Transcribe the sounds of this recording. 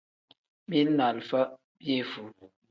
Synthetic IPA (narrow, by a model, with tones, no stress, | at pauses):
mi˦na˨lfə˦ | bje˦˨fu˨